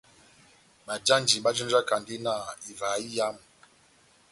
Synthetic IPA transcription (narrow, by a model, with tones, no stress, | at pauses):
ɓa˨d͡ʒa˦nd͡ʒi˨ɓa˦d͡ʒɔ˦nd͡ʒa˦ka˨ndi˦na˨i˨va˨˦i˦ja˦m˨